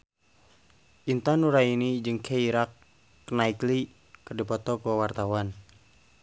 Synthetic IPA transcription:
ʔint̪anuɾainid͡ʒɨŋkʰeiɾakː | naikli | kɨrdipɔt̪ɔkuwawart̪awan

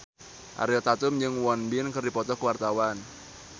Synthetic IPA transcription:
ʔa̰ɾeɔt̪at̪ʊmd͡ʒɨŋwɔnbɪnkərdipɔt̪ɔkəwart̪awan

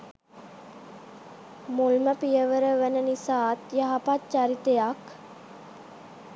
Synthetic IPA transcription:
mulməpijəʋəɾəʋənənisaːt̪jaɦapatt͡ʃaɾit̪ejak

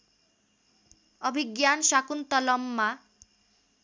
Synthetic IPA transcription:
ɔbʱiɡjanʃakunt̪ɔlɔmːa

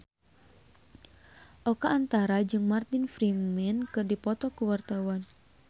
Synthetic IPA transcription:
ʔɔkaːnt̪aɾad͡ʒɨŋmart̪infɾimmɛnkɨrdipɔt̪ɔkuwart̪awan

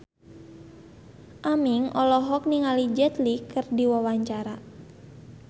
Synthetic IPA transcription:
ʔamiŋɔlɔɦɔk̚niŋalid͡ʒɛt̪likɨrdiwawaɲt͡ʃaɾa

